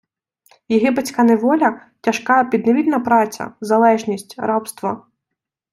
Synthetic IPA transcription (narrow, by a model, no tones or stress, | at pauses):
jiɦɪpet͡sʲkaneʋɔlʲɐ | tʲɐʃkɑpʲid̪neʋʲid̪nɐpɾɑt͡sʲɐ̰zɐlˠɛʒnʲisʲtʲɾɑpst̪ʋɐ